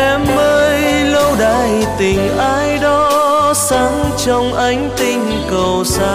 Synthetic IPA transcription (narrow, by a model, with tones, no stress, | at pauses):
ɛ˧mːəː˧jlə˧wɗaː˧˩jt̪ï˨˩ŋ̟ʔaː˧˥jɗɔ˨˧˦saː˨˦ŋt͡ɕɔ˧wŋ͡mʔa˨˦jŋ̟t̪ï˧˩ŋ̟ | kə˨˩wsaː˧˦